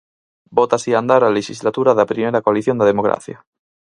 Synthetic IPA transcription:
bot̪asiand̪aɾaleʃizlat̪uɾaðapɾimeɾakoaliθjo̞nd̪aðemoɣɾa̰θja̰

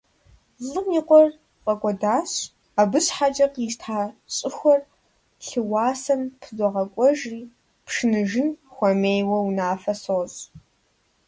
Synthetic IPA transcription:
zɨmiqʷʼɔr | qʼɐkʷʼɔdaːɕ | abɨɕħat͡ʃʼɐqʼiʃtʰaːɕʼɪxʷɔr | ɬɨwɑːsɐnpʰzʷɔʁɐkʷʼɔʒiː | pʰʂɨnɨʒɪnxʷɔmeːjwɐwnaːfɐsoːz

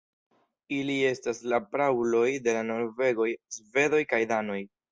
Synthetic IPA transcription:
ilie̞staslapɾawlo̞jde̞lano̞ɾve̞ɡo̞jsve̞do̞jkajdano̞j

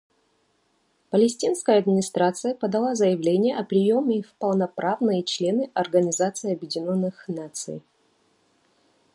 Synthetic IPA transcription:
pəlʲɪsʲtʲinskəjəɐd̪mʲɪnʲɪst̪ɾat̪sɨjəpəd̪ɐlˠazəjɪvlʲenʲɪjəʔɐpɾʲɪjo̞mʲɪfpəlˠnɐpɾavnɨjət͡ɕlʲe̞nɨʔɐrɡənʲɪzat̪sɨɪɐbjɪdʲɪnʲonːɨxnat̪sɨ̰j

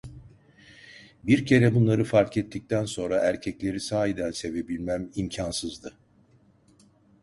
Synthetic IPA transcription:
biɾcʰe̞ɾɛbunlˠaɾɯfaɾkɛt̪ʰːic̚t̪ʰænso̞nɾaʔæɾcʰɛclʲe̞ɾisaːjid̪ænse̞ve̞bilʲmæmimcʰansɯzd̪ɯ

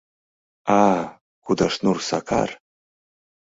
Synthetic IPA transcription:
a | kud̪aʂnursa̰kʰa̰r

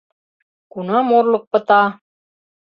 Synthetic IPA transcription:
kunɤmuɾlˠɤq̚pɤ̆t̪ɑ

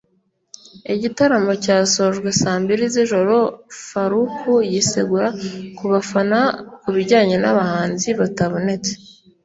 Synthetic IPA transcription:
iɟitaɾamo̞caːsoːʒɡwe̞saːmbiɾiziʒo̞ɾo̞faɾukʰujiseɡuɾakuβafanakuβiɾɟaːɲe̞naβahaːnziβataβunet͡se̥

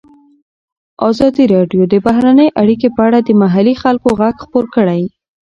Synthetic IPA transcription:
ʔɑzɑd̪iɾɑɖjod̪əbaɦɾanəjʔaɽik̬epəaɽad̪əmaɦalixalkoɣaɡxpoɾkəɽaj

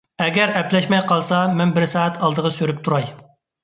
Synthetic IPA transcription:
ɛɡʲɛɾɛplɛʃmɛjqʰɑlˠsɑmɛnbɪɾsɑːɛt̪ʰɑlˠd̪əʁɑsøɾyp̚t̪ʰuɾɑj

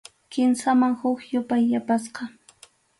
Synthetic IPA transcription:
kɪmsamaŋhʊkjʊpajːapasqɑ

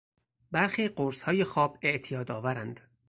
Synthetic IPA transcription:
bæɾxiːɢoɾshɒːjexɒːbe̞ʔt̪ʰijɒːd̪ɒːvæɾænd̪̥

